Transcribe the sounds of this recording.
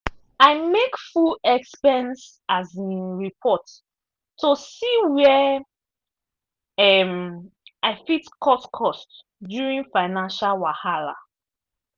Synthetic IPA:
aɪmekfulɛkspɛ̃ns | azĩɹipʰɔtː | osiwɛ | ɛmaɪfitkʰɔskʰɔst | djuɹĩŋfaɪnãnʃalwahala̰

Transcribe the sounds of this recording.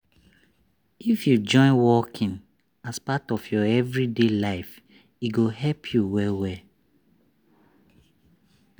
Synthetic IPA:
ifjud͡ʒɔ̃ɪ̃nwɔkʰĩn | aspatɔfjɔɛvɹidelaɪf | iɡoɦɛlpʰjuwɛlwɛ

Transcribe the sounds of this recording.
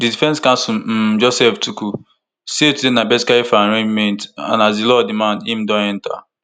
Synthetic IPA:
didifɛnskãnsum̩d͡ʒɔsɛftuku | setudenabɛskaefaɾẽd͡ʒmɛnta̰nazilɔdɪmanim̩dɔ̃ɛn̩ta̰

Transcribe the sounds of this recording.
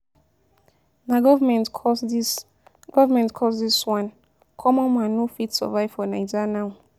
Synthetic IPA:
naɡɔvamɛ̃ntɔs | ɡ̥ɔvamɛ̃ntkʰɔsdiswãn | kʰɔmɔ̃nmãnofitsɔ̰vaɪv̥fɔnajd͡ʒanaw

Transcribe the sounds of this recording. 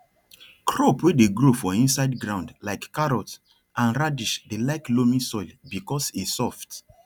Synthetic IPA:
kʰɹɔpwedeɡɹofɔĩnsaɪdɡɹãʊ̃ndlaɪkːaɹɔt | ʔãnɹadiʃdelaɪklomĩsɔɪlbikɔsisɔft

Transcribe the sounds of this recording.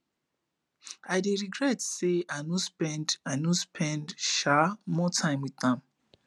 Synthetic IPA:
aɪdeɹiɡɹɛtseanospɛ̃ndanospʰɛ̃ndʃamɔtʰãɪ̃mwiðãm

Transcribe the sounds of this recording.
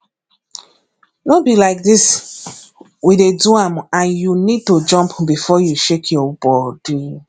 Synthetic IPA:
nobilaɪk̚dis | wideduãmãnjunid̚tod͡ʒɔ̃mpbifɔjuʃekʰjɔbɔdu

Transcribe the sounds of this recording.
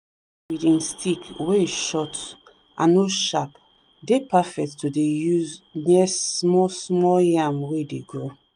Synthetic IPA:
widĩnstʰikweʃɔt | ʔã̰noʃap | depafɛk̚tːudejuznɛsmɔsmɔljamwedeɡo

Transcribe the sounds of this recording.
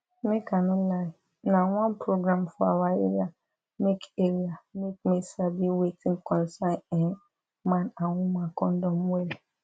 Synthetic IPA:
nɪ̃kʰãnʊ̃la | nãwãnpʰɾoɡɾãmfʊawaḛɾia | mekeɾiamekmĩsabiwetʰɪ̃ŋkʰɔ̃nsãnɛ̃n | mãnãwʊ̃mãkɔ̃n̩dɔ̃mwɛl

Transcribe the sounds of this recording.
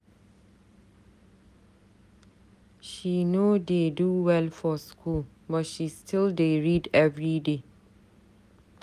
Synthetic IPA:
ʃinodeduwɛlfɔskʰul | bʌtʃistʰildeɹidɛvɹide

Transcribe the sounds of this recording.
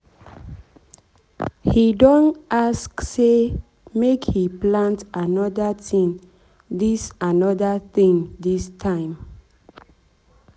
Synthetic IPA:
hidɔ̃naskse | mekhiplãntanɔdatʰĩŋ | disanɔdat̪ĩŋdistʰãɪ̃m

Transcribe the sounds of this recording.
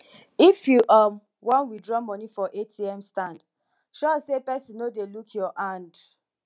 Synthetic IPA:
ifjuʔam | wɔ̃nwidɹɔmɔ̃nifɔʔetʰiɛmstãnd | ʃɔsepɛsĩnodelukʰjɔʔãnd

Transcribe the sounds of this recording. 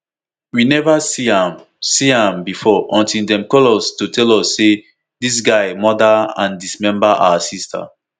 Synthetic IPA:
winɛvasiãm | siãmbifɔʔɔ̃ntildɛ̃mkɔlɔstutʰɛlɔsːe | dis̬ɡaɪmɔdaã̰ndismɛ̃mbaʔa̰wasistʰa̰

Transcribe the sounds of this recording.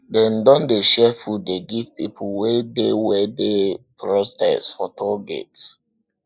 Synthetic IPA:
dɛ̃ndɔ̃ndeʃɛfudeɡivpipʰuwedewɛdepɹɔstɛ̰sfɔtʰɔɡɛ̰t

